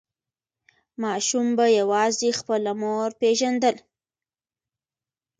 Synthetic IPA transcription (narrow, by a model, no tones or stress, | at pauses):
mɑʃumbajawɑzexpəlamoɾpeʒand̪əl